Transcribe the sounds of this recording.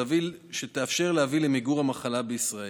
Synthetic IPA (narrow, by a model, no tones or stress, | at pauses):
avilʃet̪eafʃe̞ʁlehavilemiɡuʁamaχalabeisʁae